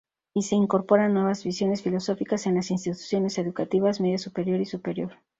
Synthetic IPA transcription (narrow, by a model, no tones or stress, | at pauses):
ise̞iŋko̞ɾpo̞ɾanːwe̞β̞azβisjo̞ne̞sfilo̞so̞fikase̞nlasins̬t̪it̪u̥sjo̞ne̞se̞ðukat̪iβazme̞ðjasupe̞ɾjo̞ɾisupe̞ɾjo̞ɾ